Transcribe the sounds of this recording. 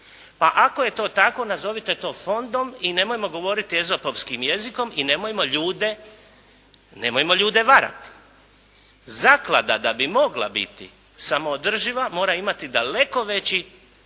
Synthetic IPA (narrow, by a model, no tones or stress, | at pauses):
paʔako̞je̞t̪o̞ːt̪ako̞nazo̞ʋit̪e̞t̪o̞ːfo̞nd̪o̞mine̞mojemo̞ɡo̞ʋo̞ɾit̪ie̞zo̞poʋskimjeziko̞mine̞mojemo̞ʎuːd̪e | nemojemo̞ʎuːd̪e̞ʋaɾa̰t̪i̥ | zakla̰d̪ad̪abimo̞ɡlˠa̰bḭt̪ḭ | samo̞ːd̪r̩ʒiʋamo̞ːɾaimat̪id̪ale̞ko̞ʋe̞t͡ɕi